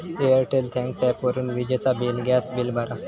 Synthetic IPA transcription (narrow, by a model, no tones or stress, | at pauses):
eəɾʈelt̪ʰɛ̃ŋksapʋəɾuːnʋid͡ʑet͡sabilɡʱjasbilbʱaɾa